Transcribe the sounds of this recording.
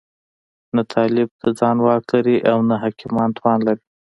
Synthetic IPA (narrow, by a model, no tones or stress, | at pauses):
nat̪ʰɑlɪb̚d̪əd͡zɑnwɑklaɾiʔawnaɦakɪmɑnt̪wɑnlaɾi